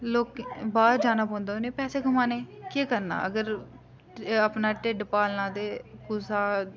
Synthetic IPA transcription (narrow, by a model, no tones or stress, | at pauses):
loːkbaːɾd͡ʒaːnaːpɔ̃ːnd̪aːoneːpɛːseːɡʊmaːneːkeːkəɾna̰ːəɡəɾ | apnaːʈeːɖpaːlnãːd̪eːkuːsaː